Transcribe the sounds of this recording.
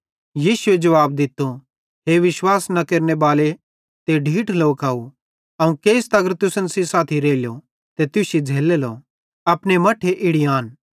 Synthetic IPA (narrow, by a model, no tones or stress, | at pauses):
jiːsʊed͡ʒɐʋaːb̚d̪ɪt̪ːo | ɦeːʋɪʃwaːsnɐkeːɾnebaːle | t̪eɖʱiːʈʰloːkaːu | ɐũkeːɪst̪ɐɡəɾt̪ʊsənsisaːt̪ʰiɾeːljo | t̪et̪ʊsid͡zʱeːlelo | ɐpnemɐʈʰeʔɪɽijaːn